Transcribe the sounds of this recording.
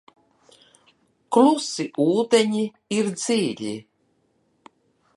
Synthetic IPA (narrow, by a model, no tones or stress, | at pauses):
klusiʔuːd̪eɲi | iɾd̪ziːlʲḭ